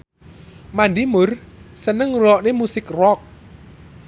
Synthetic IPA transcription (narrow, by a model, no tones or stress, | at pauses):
mandimʊrsənəŋɾɔʔnemusɪkrɔk̚